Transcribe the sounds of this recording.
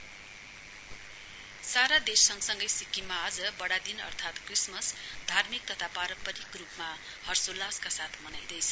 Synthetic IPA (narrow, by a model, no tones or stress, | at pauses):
saɾad̪esʌŋsʌŋɡʌjsikːimaːd͡zʌbʌɽad̪inʌ̰rt̪ʰat̪krismʌsd̪ʱarmik̚t̪ʌt̪ʰapaɾʌpʌɾikrupma | hʌrsulːaskasat̪ʰmʌnajd̪ʌjt͡sʰʌ̥